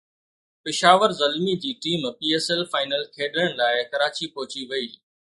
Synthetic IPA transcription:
pɪʃaːʋəɾzɐlmid͡ʑiːʈiːmpiːeːsɛlfaːɪnəlkʰeːɗəɽ̃laːɪkɐɾaːt͡ɕipɐɦʊt͡ɕiʋɐiː

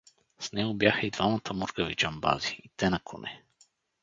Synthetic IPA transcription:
snɛɡobʲjaxəid̪vamət̪ʰəmuɾɡəvit͡ʃamba̰ziit̪ɛnɐkʰonʔɛ

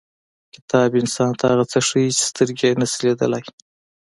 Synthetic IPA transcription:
kɪt̪ɑbɪnsɑnt̪ʰahaɣat͡səʂəjit͡ʃe̥st̪əɾɡenasiled̪ə̰laj

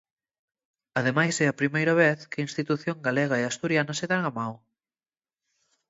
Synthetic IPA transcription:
ɐðemajsɛɐpɾimejɾɐβ̞eθkeinst̪it̪uθjoŋɡaleɣɐeast̪uɾjanɐseðaŋamaw

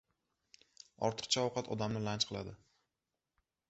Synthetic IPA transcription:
ɒ̰ɾt̪ʰɨ̥qt͡ʃʰaɒwqʰɑt̪ʰɒd̪amnɪlant͡ʃqʰɨlˠa̰d̪ɪ

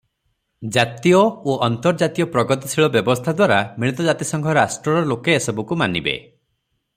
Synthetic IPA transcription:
d͡ʒat̪ijɔoʔɔnt̪ɔɾd͡ʒat̪ijɔpɾɔɡɔt̪ɔsʰiɭɔbjɔbɔst̪ʰad̪waɾamiɭ̃it̪ɔd͡ʒat̪isɔŋkʰɔɾasʈɾɔɾɔlokeːsɔbukumanibḛ

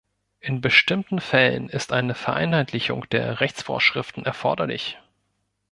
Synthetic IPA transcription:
ʔɪnbəʃtɪmtn̩fɛlə̰nɪstʔaɪnəfɛɐʔa̰ɪnhaɪtlɪçʊ̰ŋd̥eːɐʁɛçt͡sfo̰ːɐʃʁ̥ɪftn̩ɛɐfɔɐdɐlɪ̰ç

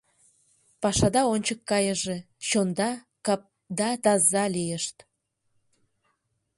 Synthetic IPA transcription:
pɑʃɑd̪ɑonʲt͡ɕəkːɑjəʒe | ɕond̪ɑ | kɑ | d̪ɑt̪ɑzːɑlijəʃt̪

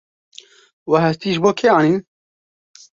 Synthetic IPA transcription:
waɦɛst̪iːʒboːkʰeaːniː

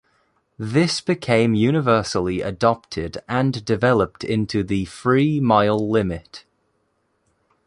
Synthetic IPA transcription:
ðɪsb̥ɪkʰẽɪ̃mjʉːnɪvɜˑsəliʔə̰dɒp̚tʰɪdə̃ndɪvɛləp̚tʰɪ̰̃ntʰuðəfɹiːmaɪlˠːɪmɪt

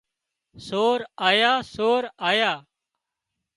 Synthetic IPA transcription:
soːɾaːjaːsoːɾaːjaː

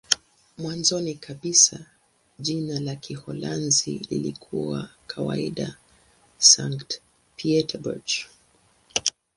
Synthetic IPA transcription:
mwanzɔnikʰaɓisa | ʄinalakʰihɔlanzḭlḭlikʰuwa̰kʰawa̰iɗa | saŋkt | piɛtʰabṵd͡ʒ

